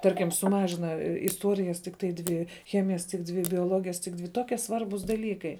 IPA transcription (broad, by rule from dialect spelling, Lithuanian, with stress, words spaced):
ˈtɐrʲkʲɪm sʊˈmɑːʒʲɪnɐ ɪsˈtuɔrʲɪjɛs tʲɪkˈtɐɪ ˈdʲʋʲɪ ˈxʲæːmʲɪjɛs tʲɪk ˈdʲʋʲɪ bʲoːˈlˠoːɡʲɪjɛs tʲɪk ˈdʲʋʲɪ ˈtoːkʲiɛ ˈsʋɐrbuːs dɐˈlʲiːkɐɪ